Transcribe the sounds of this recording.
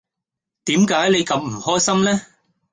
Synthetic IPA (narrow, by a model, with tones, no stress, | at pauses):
t̪iː˨˥mkaː˨˥jle˨˧jkɐ˨˧mm̩˨˩hɔː˥jsɐ˥mlɛː˥